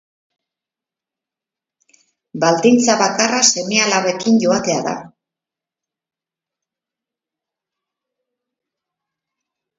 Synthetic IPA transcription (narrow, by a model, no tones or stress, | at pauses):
bald̪int͡saβakarase̞mealaβe̞kiɲɟo̞at̪e̞aða̰